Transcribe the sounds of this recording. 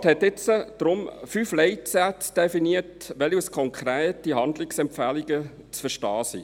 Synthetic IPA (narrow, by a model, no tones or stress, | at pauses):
thɛtɪt͡səd̥ɾʊmfyflɛɪtsætsd̥ɛfiniətʋɛliuskʰɔŋkʰɾeːtihɑnd̪lɪksɛmpfæliɡə | t͡sfəʃtɑːsḭ